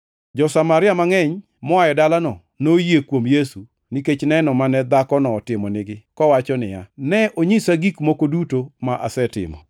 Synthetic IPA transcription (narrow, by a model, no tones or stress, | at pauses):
d͡ʒɔsamaɾɪamaŋɛɲ | mɔajɛdalanɔ | nojekwomjesu | niket͡ʃnɛnɔmanɛd̪akɔnɔːtɪmɔnɪɡɪkɔwat͡ʃɔnɪjanɛʔoɲisaɡikmokodutomaʔasɛtɪ̰mɔ̰